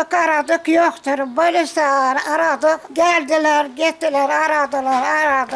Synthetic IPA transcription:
kɑɾɑd̪ɯqjoqt̪uɾbojleʃt̪ɑɾɑɾɑd̪ɯqɡæld̪ilæɾɡet̪ːilæɾɑɾɑd̪ɯlɑɾɑɾɑd̪

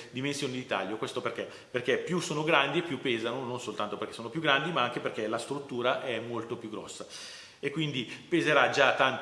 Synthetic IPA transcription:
d̪imensjoːnid̪it̪a̰ljokwest̪operk̟e | perk̟epjusoːnoɡɾand̪iepːjupːeːzanononsolt̪ant̪operk̟esoːnopjuɡɾand̪imaaŋk̟eperk̟elast̪ɾut̪ːuːɾaʔɛmːolt̪opjuɡːɾɔ̰sːa | ekːwind̪ipezeɾad͡ʒat̪ːant̪

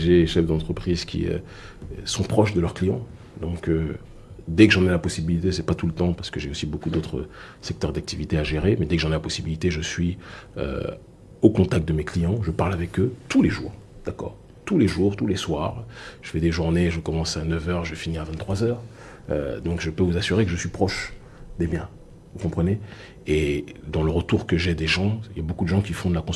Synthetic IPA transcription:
ʒeʃɛfd̪ɑ̃t̪χəpχizkʲʰḭø̰ | sɔ̃pχɔʃd̪əlœʁklijɑ̃ | d̪ɔ̃kø | d̪ɛkəʒɑ̃nɛlapɔsibilit̪esɛpat̪ulət̪ɑ̃paʁsə̥kəʒeosibokud̪ot̪χə̰ | sɛk̚t̪œʁd̪ak̚t̪ivit̪eaʒeʁemɛd̪ɛkəʒɑ̃nɛlapɔsibilit̪eʒəsɥiø̰ | okɔ̃t̪ak̚t̪̚d̪əmeklijɑ̃ʒəpaʁlavɛkøt̪uleʒṵːʁd̪̥akɔ̰ːʁ | t̪uleʒuʁt̪uleswaʁʒ̥əfɛd̪eʒuʁneʒəkɔmɑ̃sanəvœʁʒəvɛfiniʁavɛ̃t̪t̪ːχwazœːʁ | ø̰d̪ɔ̃kʒəpøvuzasyʁekəʒəsɥipχɔʃ | d̪ebjɛ̃ | vukɔ̃pχəne | ed̪ɑ̃ləʁət̪uʁkəʒɛd̪eʒɑ̃iljabokud̪əʒɑ̃kʲifɔ̃d̪əlakɔ̃s

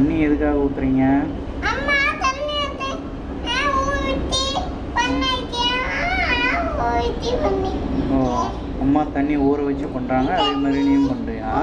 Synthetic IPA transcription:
ɐɳːiɛðɯkːaːɣɐuːkːɪɾiːŋɡɐ | ɐmːaːt̪ɐnːiɐt̪ːe | nãːuːɾɪʈːi | pɐnːaːkːɪjaaapoːʈːipɐnːioː | ɐmːaːt̪ɐɳːioːɾɯʋɐt͡ʃːɯpɐɳɾaːŋɡɐːðeːmaːd̪ɾinɐjɯmpɐɳɖɯaː

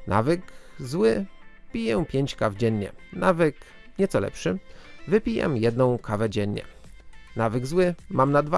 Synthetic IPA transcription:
na̰vɘkzwɘpʲijɛpʲjeɲt͡ɕkavd͡ʑɛɲːɛnavɘk | ɲɛt̪sɔlɛ̰pʂɘvɘpʲijɛ̰mjɛd̪nɔ̃w̃kʰavɛd͡ʑɛɲɲɛ̰navɘɡzwɘmamnad̪va

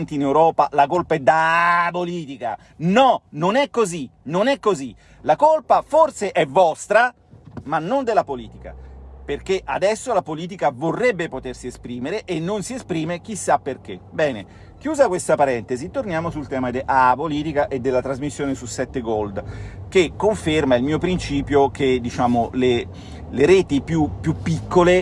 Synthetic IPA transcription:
nt̪iːnewɾɔːpalakolpaɛd̪apoliːt̪ika̰ | nɔnonɛkːozinonɛkːozi | lakolpaforseʔɛvːɔst̪ɾa | manːond̪elapoliːt̪ika̰perk̟eʔa̰d̪ɛsːolapoliːt̪̬ikavorːɛbːepot̪ersiespɾiːmeɾeʔenːonsiespɾiːmek̟isːapːerk̟ebɛːne | k̟juːzakwest̪apaɾɛnt̪ezit̪ːornjaːmosult̪ɛːmad̪eʔapoliːt̪ikaʔed̪ːelːat̪ɾazmisːjoːnesusːɛt̪ːeɡold̪kekːoɱfermailmiːopɾint͡ʃiːpjoked̪it͡ʃaːmole | leɾeːt̪ipjupːjupːikːole

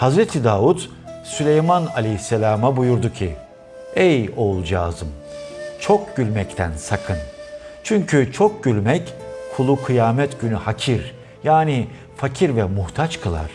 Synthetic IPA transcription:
hazɾet̪ʰid̪aːvut̪ | sylʲejmanalʲejsːelʲaːmabujuɾd̪ucʰi | ɛjolˠd͡ʒaːzɯmt͡ʃʰo̞k̚ɟylʲmɛct̪ʰænsakʰɯnt͡ʃʰyɲcʰyt͡ʃʰok̚ɟylʲmɛckʰulˠukʰɯjaːmɛt̪ɟ̥ynyhacʰiɾ | jaːni | facʰiɾvɛmuht̪ʰat͡ʃkʰɯlˠa̰ɾ̥

